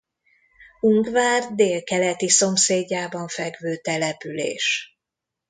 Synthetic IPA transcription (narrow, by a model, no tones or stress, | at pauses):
uŋɡvaːrd̪eːlkɛlɛt̪iso̞mseːɟːaːbɒɱfɛɡvøːt̪ɛlɛpylḛːʃ